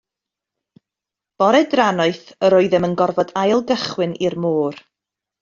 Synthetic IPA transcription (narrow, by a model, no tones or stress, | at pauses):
b̥ɔɾɛdranɔɨθəɾoɨðɛmənɡɔrvɔdajlˠɡəχwɨnʔirmoːr